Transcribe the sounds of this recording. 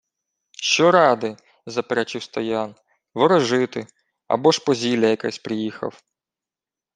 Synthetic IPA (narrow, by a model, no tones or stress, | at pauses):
ʃt͡ʃɔɾɑd̪ɪ | zɐpeɾɛt͡ʃɪwst̪ɐjɑn | ʋɔɾɔʒɪt̪ɪ | ɐ̰bɔʃpɔzʲilʲɐjɐka̰sʲpɾɪjixɐ̰w